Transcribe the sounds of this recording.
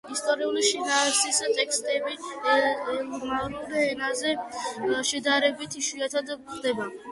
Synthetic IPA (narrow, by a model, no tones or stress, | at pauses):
ist̪ʼɔɾiuliʃinaːsist̪ʼɛkst̪ʼɛbi | maɾuɾɛnazɛ | ʃɛd̪aɾɛbit̪ʰiʃiat̪ʰad̪χd̪ɛba